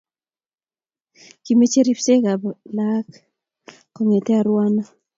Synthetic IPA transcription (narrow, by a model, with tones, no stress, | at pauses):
ki˨me˦t͡ʃe˦ɾi˦pse˦ɡa˨bla˦k | ko˨ŋe˨tɛ˦a˨ɾwa˦nɔ˦